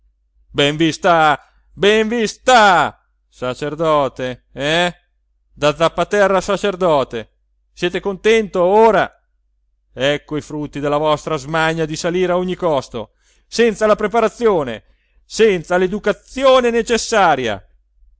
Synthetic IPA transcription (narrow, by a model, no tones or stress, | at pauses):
beɱvist̪a | beɱvist̪a | sat͡ʃerd̪ɔːt̪eɛ | d̪ad̪zːapːat̪ɛrːasat͡ʃerd̪ɔːt̪e | sjɛːt̪ekont̪ɛnt̪ooːɾa | ɛkːoifɾut̪ːid̪elːavɔst̪ɾazmaɲːad̪isaliːɾeaoɲːikɔst̪o̰ | sɛnt̪salapɾepaɾat̪sːjoːnḛ | sɛnt̪saled̪ukat̪sjoːnenet͡ʃesːaːɾja̰